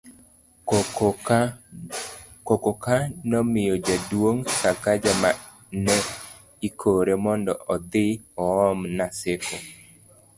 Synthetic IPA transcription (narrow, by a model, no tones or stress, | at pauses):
kɔkɔkanɔmɪjɔd͡ʒadwoŋkakad͡ʒama | nɛ | ikʰoɾemɔndɔ̰ʔɔd̪ɪɔɔmnaseko